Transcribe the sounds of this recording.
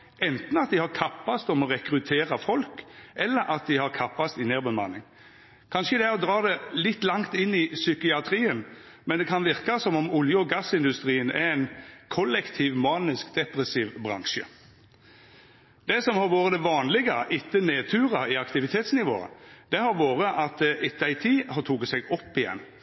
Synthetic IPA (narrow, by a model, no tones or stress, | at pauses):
ʔɛnt̪n̩ɑt̪̚d̪ɪhɑɾkʰɑpːɑst̪ɔmɔʁɛkɾʉt̪ʰeːɾɑfɔlkɛlːəɾʔɑt̪̚d̪ɪhɑɾkʰɑpːɑst̪ɪneːɾbəmɑnɪŋ | kʰɑnʂəd̪ɛæɾɔd̪ɾɑːd̪ɛlɪt̪ːlɑŋt̪ɪnːɪsʏkɪɑt̪ʰɾiːən | mɛnd̪ɛkʰɑnʋɪʁkɑsɔmɔmʊljəɔɡɑsːɪnd̪ʉst̪ʁiːənɛ̰ɾæɪnkʰɔlːɛkt̪ʰiːʋmɑːnɪskd̪ɛpɾɛsiːʋbʁɑ̰ŋʃə̰ | d̪ɛsɔmhɑɾʋoːʁəd̪ɛʋɑːnlɪɡəʔɪt̪ːəneːt̪ʰʉːɾɑɪɑkt̪ɪʋɪt̪ʰeːt̪snɪʋo̰ːə̰d̪̥ɛhɑɾʋoːɾəʔɑt̪̚d̪ɛʔɪt̪ːəæɪt̪ʰiːhɑɾt̪ʰuɡət̪sɛɡɔpːɪjɛ̰nː